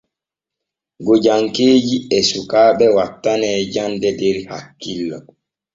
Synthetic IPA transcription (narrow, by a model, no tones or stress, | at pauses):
ɡɔd͡ʒaŋkeːd͡ʒiɛsukaːɓɛwatːanɛːd͡ʒandɛdɛɾha̰kːilːa̰